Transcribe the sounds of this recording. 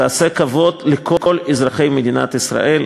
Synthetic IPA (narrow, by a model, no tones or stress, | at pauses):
aːsekavo̞d̪lekʰo̞kolizʁaχejmed̪ina̰t̪isʁa̰ʔel